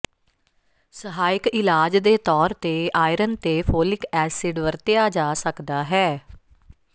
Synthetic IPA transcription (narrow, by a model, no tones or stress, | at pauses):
səɦaːɪkɪlaːd͡ʒd̪eːt̪ɔːɾt̪eːʔaːiɾənt̪eːpʰoːlɪkɛːsɪɖʋəɾt̪ɪjaːd͡ʒaːsəkd̪aːɦɛː